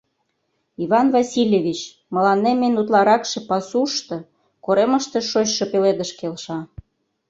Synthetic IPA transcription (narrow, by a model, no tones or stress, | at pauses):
iβɑnvɑsʲilʲjeβʲit͡ɕ | mə̆lɑnːemenut̪lɑɾɑkʃĕpɑsuʃt̪ɤ̆ | koɾemə̆ʃt̪ĕʃot͡ɕʃɤ̆peled̪ə̆ʃkelʃɑ